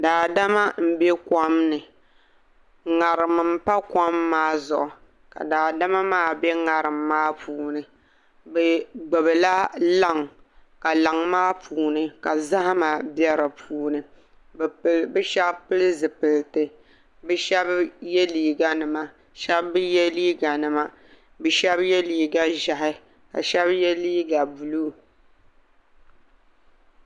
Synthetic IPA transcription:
daː˨da˦ma˦m̩˦be˦kʷa˦mnɨ˨ | ŋa˨ɾɨ˨m˨m̩˦pa˦ka˦mːaː˦zʊ˨ʔʊ˨ | ka̰˨daː˨da˦ma˦maː˦˨be˦ŋa˨ɾɨ˨mːaː˦pʰuː˨nɨ˨ | bɨ˨ɡ͡bɨ˨bɨ˨la˦la˦˨ŋ | ka˨la˨ŋmaː˦pʰuː˨nɨ˨ka˨za˦ha˦ma˨bjɛ˦ɾɨ˨pʰuː˨nɨ˨ | bbɨ˦ʃa˦kpɨ˦lɨ˦zɨ˨pɨ˨ltɨ˨ | bɨ˦ʃɛ˦bjɛ˦liː˨ɡa˦nɨ˨ma˨ | ʃɛ˦bbɨ˦jɛ˦liː˦ɡa˨nɨ˨ma˦ | bɨ˨ʃɛ˦bjɛ˦liː˨ɡa˦ʒa˨hɪ˦ | ka̰˨ʃɛ˦bjɛ˦liː˦ɡa˨bu˨luː˦˨

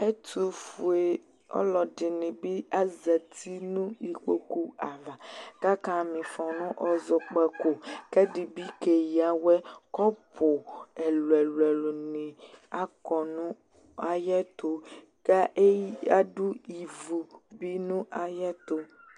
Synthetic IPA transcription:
e˦t̪u˨fu˨e˨ | ɔ̰˦lɔ˨dɪ˨nɪ̃˨bi˦a˦zɛ˨t̪ʰi˦nũ˦i˨k͡po˦ku˦a˨la˨ɡ̥a˦ka˦mĩ˨fɔ˨nũ˦ʔɔ˦zɔ˨k͡pɛ˨ko˨kɛ˦ɖi˨bi˦ke˨ji˨a˨wɛ˦kɔ˦pʰo˨ɛ˨lwɛ˨lɛ˨lo˨nĩ˨a˦kɔ˨nũ˦ | a˦jɛ˦t̪o˦ | ka˦ʔe˦a˦ɖu˦i˨vu˨bi˦nũ˦ʔa˨jɛ˦t̪o˦

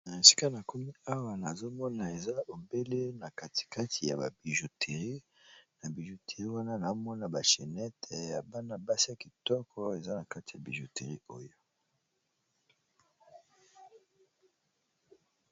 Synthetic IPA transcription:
na˨e˨si̥˦ka˦na˨ko˦mi˦a˦wa˨na˨zo˦mɔ˦na˨e˨za˦bo˨be˦le˦na˨ka˨ti̥˨ka˦ti˨ja̰˨ba̰˨bi˨ʒo˨tʰe˨ʁi˦ | na˨bi˨ʒo˨te˨ʁi˦wa˦na˦na˨o˦mɔ˦na˨ba˨ʃe˨nɛ˦tʰɛ˨ja˨ba˦na˨ba˦si˦a˨ki˨tɔ˦kʰɔ˦e˨za˦na˨ka˦ti˨ja̰˨bḭ˨ʒo˨te˨ʁi˦o˦jo˦

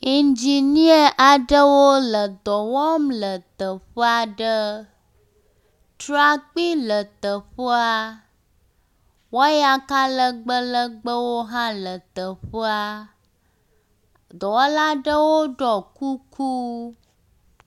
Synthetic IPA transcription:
i˨nd͡ʒi˨nĩ˦ə˦ʔa˨ɖə˦wo˦lə˨d̪ɔ˨wɔ˦mlə˨t̪ə˨ɸə˦a˨ɖə˦ | t̪ɾa˨k͡pi˦lə˨t̪ə˨ɸə˦a˦ | wɔ˦ja˦ka˦lə˦ɡ͡bə˦lə˦ɡ͡bə˦wo˦ɦã˦lə˨t̪ə˨ɸə˦a˦ | d̪ɔ˨wɔ˦la˦ɖə˦wo˦ɖɔ˨ku˦kʰu˦

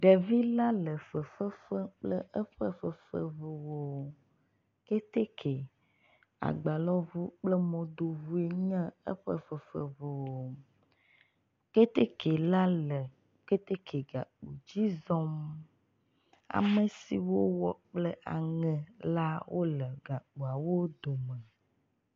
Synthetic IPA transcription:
ɖɛ˨vi˦la˦lə˨fə˨fə˦fə˦k͡plə̰˦ʔə˦ɸə̰˦fə˨fə̰˦ve˨wo˨ | ke˦t̪e˦kʰe˨ | a̰˨ɡ͡ba˨lɔ˦vu˦k͡plɛ˦mɔ̃˨d̪o˨vu˦e˨ɲã˦ə̰˦ɸə̰˦fə˨fə̰˨ve˨wo˨ | ke˦t̪e˦ke˨la˦lɛ˨ | ke˦t̪e˦kʰe˨ɡa˨k͡pu˨d͡ʑi˦zɔ˦m | a̰˨mɛ̃˨sḭ˨wo˦wɔ˨k͡plɛ˦ʔa̰˨ŋɛ̃˨la˦wʔo˦lə˨ɡa˨k͡pu˨a˨wo˦d̪o˨mɛ̃˨

